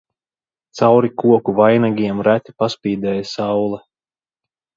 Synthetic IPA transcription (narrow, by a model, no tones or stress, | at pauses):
t̪sawɾikuɔkuvajnaɡʲiɛmɾæt̪ʲi̥paspʲiːd̪ɛːjasawlˠɛ